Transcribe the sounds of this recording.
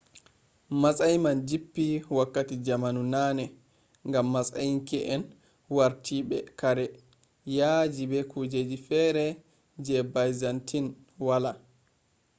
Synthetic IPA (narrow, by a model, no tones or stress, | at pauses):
masajmand͡ʒipːiwakːatid͡ʒamanunanɛ | ŋɡamːasa̰jiŋkɛʔɛn | waɾtʰibɛkaɾɛ | jad͡ʒibɛkud͡ʒed͡ʒifɛɾɛ | d͡ʒɛbajzantin | wala